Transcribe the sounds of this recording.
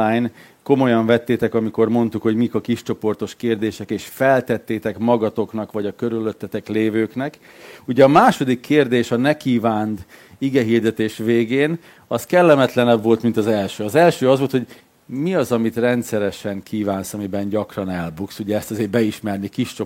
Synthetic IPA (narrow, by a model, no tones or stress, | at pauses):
ajn | ko̞mo̞jɒɱvɛt̪ːeːt̪ɛkɒmiko̞rmo̞nt̪ukho̞ɟmikɒkiʃt͡ʃo̞po̞rt̪o̞ʃkeːrd̪eːʃɛkeːʃfɛlt̪ɛt̪ːeːt̪ɛkmɒɡɒt̪o̞knɒkʋɒɟɒkːøɾyløt̪ːɛt̪ɛkleːvøːknɛk | uɟɛɒmaːʃo̞d̪ikʰːeːrd̪eːʃɒnɛkiːvaːnd̪iɡɛɦiːrd̪ɛt̪eːʃʋeːɡeːn | ɒskɛlːɛmɛt̪lɛnɛbvo̞lt̪mint̪ɒzɛlʃøːɒzɛlʃøːɒzʋo̞lt̪hoɟ | miɒzɒmit̪rɛnt̪sɛɾɛʃɛŋkʰiːvaːnsɒmibɛnɟɒkrɒnɛlbuksuɟɛːst̪ɒzeːrbɛiʃmɛrnikiʃt͡ʃo̞